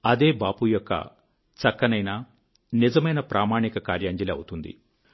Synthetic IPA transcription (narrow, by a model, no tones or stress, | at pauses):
ɐd̪e̞ːbaːpujɔkːɐ̰ | t͡ʃɐkːɐnɐjna | nizɐmɐjnɐpɾʔaːmaːɳikɐkaːɾjaːɲd͡ʒɐlɐ̰wut̪und̪ḭ